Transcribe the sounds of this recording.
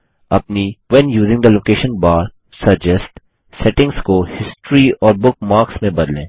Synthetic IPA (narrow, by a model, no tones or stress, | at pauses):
ɐ̰pniʋɛ̃njuːzɪ̃ŋɡd̪əloːkeːʃə̃nbaːɾ | sɐd͡ʒɛsʈ | sɛʈɪ̃ŋskohɪsʈɾiɔːɾbʊk̚maːɾksmẽbɐd̪lḛ̃ː